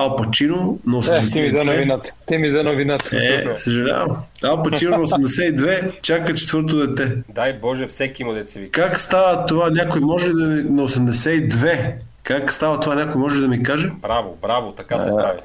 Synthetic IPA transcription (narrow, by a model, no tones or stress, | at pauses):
alˠpɐt͡ʃinonɐosɛmd̪ɛsɛizɐnoɛvinat̪t̪imizɐnovinat̪ɛ̰səʒɛlʲa̰vɐmalˠpɐt͡ʃinonɐosɛmd̪ɛsɛid̪vɛt͡ʃakət͡ʃɛ̥t̪vɤɾt̪od̪ɛt̪ɛd̪ajbɔʒɛfsɛkimod̪ɛt̪sɛvikakst̪avət̪ovanʲakojimɔʒɛlid̪ɐminɐosɛmd̪ɛsɛid̪vɛ | kakst̪avɐt̪ovanʲakojmɔʒɛlid̪ɐmikaʒɛbɾavobɾavot̪ɐkasɛɾavḭ